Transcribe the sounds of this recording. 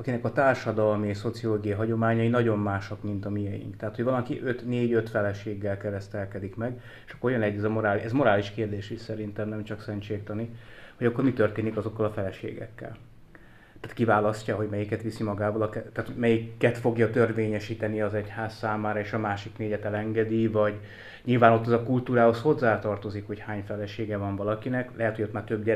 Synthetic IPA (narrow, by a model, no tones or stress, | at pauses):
ɒkinɛkɒt̪aːrʃɒd̪ɒlmieʃso̞t̪sijoloːɡijɒɦɒɟo̞maːɲɒinɒɟo̞mːaːʃɒkmint̪ɒmiɛjḭŋkt̪ɛaːt̪oɟvɒlɒkiʔøt̪neːɟøt̪fɛlɛʃeːɡːɛlkɛɾɛst̪ɛlkɛd̪ikmɛɡ | e̥ʃɒkːoojɒnɛɟːɛzɒmo̞ɾaːliɛzmo̞ɾaːliʃkeːrd̪eːʃisɛɾint̪ɛmnɛmt͡ʃɒksɛnt͡ʃeːkt̪ɒniho̞ɟɒkːormit̪ørt̪eːnikɒzo̞kːɒlɒfɛlɛʃḛːɡɛ̰kːɛ̰l | t̪aːt̪kivaːlɒscɒɦo̞ɟmɛjikɛt̪ʋisimɒɡaːvɒlɒkɛt̪aːt̪omɛjikːɛt̪fo̞ɡjɒt̪ørveːɲɛʃiːt̪ɛniɒzɛchaːssaːmaːɾɒeːʃɒmaːʃikneːɟɛt̪ɛlɛŋɡɛd̪ivɒɟ | ɲilvaːno̞t̪ːɛzɒkult̪uːɾaːho̞sho̞zːaːt̪ɒrt̪o̞zikho̞chaːɲfɛlɛʃeːɡɛvɒɱvɒlɒkinɛklɛɦɛt̪hoot̪maːrt̪øbɟɛ